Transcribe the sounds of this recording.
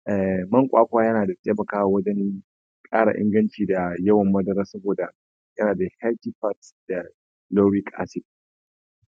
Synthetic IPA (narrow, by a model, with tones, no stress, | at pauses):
ʔɛ˨mɐ˦ŋkʷʼaː˦kʷaː˦jɐ˦naː˨da˨te˦mɐ˨kaː˦wa˨wɐ˦d͡ʒɛ˦ni˦ | kʼaː˦ɽa̰˨ʔɪ̰˦ŋɡɐ˦nt͡ʃiː˨da˨jɐ˦wɐ˨mːɐ˦dɐ˦ɾɐ˦sɐ˦boː˨da˨ | jɐ˦naː˨da˨hɛ˦lti˦ɸa˦td̥a˨ | lo˦ɽiː˦kʼa̰ː˦sɪ˦